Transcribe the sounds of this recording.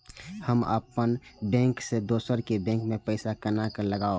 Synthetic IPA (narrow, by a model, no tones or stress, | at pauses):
həmə̰pənbɛ̃ːŋksed̪oːsəɾkebɛ̃ːŋkmẽpəɪsakənakəɾləɡao